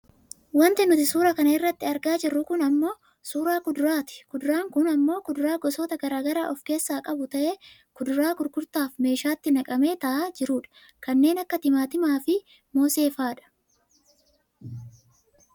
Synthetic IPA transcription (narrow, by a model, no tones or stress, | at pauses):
wɐnt̪ɪnʊt̪ɪsuːɾɐkɐnɐɪrːɐt̪ːɪɐɾɡaːd͡ʒɪrːʊkʊnɐmːo̞ː | suːɾaːkʊd̪ɾaːt̪ɪ̥kʊd̪ʊɾaːŋkʊnɐmːo̞ːkʊd̪ɾaːɡɔsoːt̪ɐɡɐɾaːɡɐɾa̰ːʔɔfke̞ːsːaːkʼɐbʊt̪ɐʔe | kʊd̪ʊɾaːkʊɾkʊɾt̪aːfme̞ːʃaːt̪ːɪnɐkʼɐme̞ːt̪ɐʔaːd͡ʒɪɾuːᶑɐ̥ | kɐnːe̞ːnɐkːɐt̪ɪmaːt̪ɪmaːfɪ | mo̞ːse̞ːfaːᶑɐ̥